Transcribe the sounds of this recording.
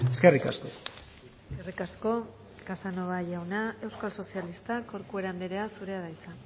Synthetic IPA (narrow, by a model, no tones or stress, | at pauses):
eskerika̰sko | eskerikasko̞ | kasano̞βaʝawnae̞wskalso̞sialist̪ako̞ɾkue̞ɾand̪eɾeasuɾe̞aðajt͡sa